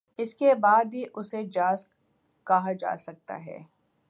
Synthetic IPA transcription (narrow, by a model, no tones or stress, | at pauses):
ɪskebaːd̪ɦiʔʊsed͡ʒaːs | kɐɦad͡ʒa̰ːsɐk̚t̪a̰ɦɛ̰ː